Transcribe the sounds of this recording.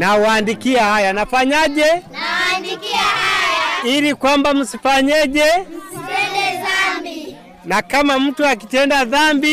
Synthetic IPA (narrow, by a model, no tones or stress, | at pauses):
nawandikiahajanafaɲaʄɛ | ilikwambam̩sifaɲɛʄɛ | nakamam̩tuak̬itɛndaðambi